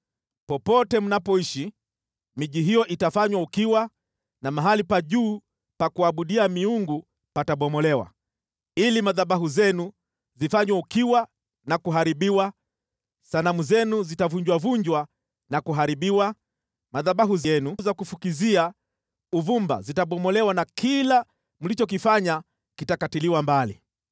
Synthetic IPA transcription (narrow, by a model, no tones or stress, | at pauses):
pɔpɔtɛm̩unapɔiʃi | miʄiɦijɔʔitafaɲwaukiwa | namaɦalipaʄuː | pakuaɓuɗiamiuŋɡu | pataɓɔmɔlɛwa̰ | ilimaðaɓaɦuzɛnu | zifaɲwaukiwa | nakuɦaɾiɓiwa | sanamuzɛnuzitavuɲd͡ʒwavuɲd͡ʒwa | nakuɦaɾiɓiwa | maðaɓaɦuzijɛnuzakufukizia | uvumba̰zitaɓɔmɔlɛwanakʰila | mulit͡ʃɔk̬ifaɲa | kitakatiliwambali